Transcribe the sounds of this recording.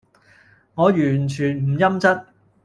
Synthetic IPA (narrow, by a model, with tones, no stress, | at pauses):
ŋɔː˨˧jyː˨˩nt͡ʃʰyː˨˩nm̩˨˩jɐ˥mt͡sɐ˥t̚